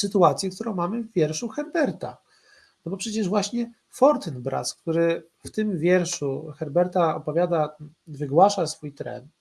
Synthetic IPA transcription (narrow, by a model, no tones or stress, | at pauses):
sɘt̪uat̪sʲjɛkt̪uɾɔ̃w̃mamɘvːʲjɛɾʂuxɛɾbɛɾt̪a̰ | nɔbɔpʂɛt͡ɕɛʐvwaɕɲɛ | fɔɾt̪ɘnbɾa̰sk̚t̪uɾɘ | ft̪ɘmvʲjɛɾʂuxɛɾbɛɾt̪aɔpɔvʲjad̪a | vɘɡwaʂasfujt̪ɾɛ̰nt̪